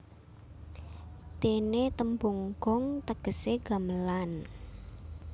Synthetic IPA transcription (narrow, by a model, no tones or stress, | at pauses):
t̪enet̪əmboŋɡ̥ɔŋt̪əɡ̥ə̤seɡ̥a̤məlan